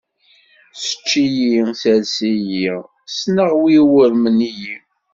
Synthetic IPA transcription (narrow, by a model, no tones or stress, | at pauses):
sə̥t͡ʃːijisælsiji | snəʁwiwəɾməniji